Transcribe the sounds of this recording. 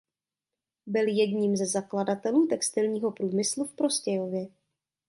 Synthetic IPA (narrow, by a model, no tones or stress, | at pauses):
bɪljɛdɲiːmzɛzakladat̪ɛluːt̪ɛkst̪ɪlɲiːɦo̞pɾuːmɪslufpɾo̞scɛjovjɛ